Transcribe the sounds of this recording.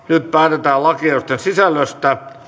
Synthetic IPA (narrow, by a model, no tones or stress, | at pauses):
nyt̪̚pæːt̪et̪æːlɑkiɑst̪ːensisælːøst̪æ